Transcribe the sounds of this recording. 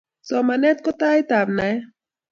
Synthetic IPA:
somanet̪̚kot̪ajt̪amnaj

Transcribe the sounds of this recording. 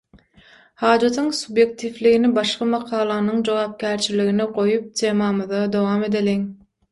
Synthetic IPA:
hɑːd͡ʒɑt̪ʰɯŋsubje̞k̚t̪ʰiːfliɣinibɑʃqɑmɑqʰɑːlˠɑnɯŋd͡ʒo̞wɑːp̚kʰʲæːɾt͡ʃʰiliɣiniɢo̞jup̚t̪ʲʰe̞ːmɑːmɯðɑd̪o̞wɑːme̞d̪eliŋ

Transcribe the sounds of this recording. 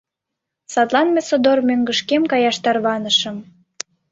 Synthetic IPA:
sɑt̪lˠɑnmesod̪ormøŋɡəʃkemkɑjɑʃt̪ɑrβɑnəʃə̆m

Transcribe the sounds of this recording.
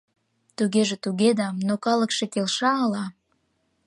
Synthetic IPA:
t̪uɣeʒĕt̪uɣed̪ɑmnokɑləkʃekelʃɑəlɑ

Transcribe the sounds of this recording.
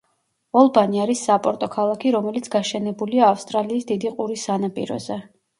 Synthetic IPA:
ɔlˠbaniaɾisːapʼɔɾt̪ʼɔkʰalˠakʰiɾɔmɛlit̪sʰɡaʃɛnɛbuliaːfst̪ʼɾaliːsd̪id̪iqʼuɾisːanapʼḭɾɔ̰z̥ɛ

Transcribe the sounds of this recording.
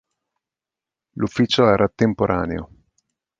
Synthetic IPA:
lufːiːt͡ʃoɛːɾat̪empoɾʔa̰ːnḛo̰

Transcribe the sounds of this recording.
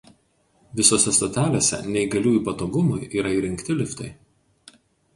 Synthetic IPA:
ʋʲɪsoːsʲɛst̪oːt̪ʲæːlʲeːsʲɛ̰nʲɛɪɡɐlʲuːjuˑpɐt̪oːɡʊmʊjʔiːɾɐiːɾʲɪŋʲkt̪ʲɪlʲɪfʲt̪ʲɐɪ

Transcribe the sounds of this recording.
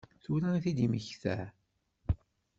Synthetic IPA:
θulæiθid̪iməçθæ̰

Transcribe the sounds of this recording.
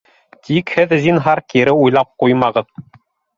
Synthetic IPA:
t̪ikhɘðzinɦɑɾkiɾɘujlˠɑp̚qujmɑʁɤ̆ð

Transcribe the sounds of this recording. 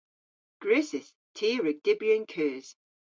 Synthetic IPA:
ɡ̥ɹʉːsɪs | tʰiːɹəɡ̚d̥ɪbjənkʰɜːz̥

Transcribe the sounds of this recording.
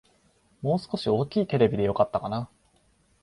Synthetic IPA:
mo̞ːsɨ̥ko̞ɕio̞ːkʲiːt̪e̞ɾe̞bʲid̪e̞jo̞kat̪ːakana

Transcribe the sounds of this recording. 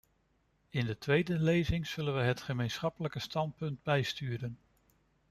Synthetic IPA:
ɪndətʋejdəlejzɪŋz̥ɵlənʋəɦətχəmejnsχɑpələkəstɑnt̚pɵnd̚bɛjstyːɾən

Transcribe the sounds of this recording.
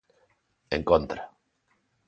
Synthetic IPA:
ḛŋkont̪ɾa

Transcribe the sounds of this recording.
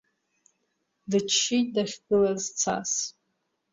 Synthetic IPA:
dɨt͡ʃʰːit̚ʼdaχʲɡɨlazt͡sʰa̰s

